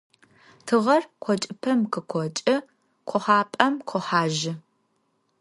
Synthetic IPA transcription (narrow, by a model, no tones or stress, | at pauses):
tʰɨʁɐrqʷʰɔt͡ʃʼɪpʰɐmqɨqʷʰɔt͡ʃʼɐ | qʷʰɔħaːpʼɐmqʷʰɔħaːʒɪ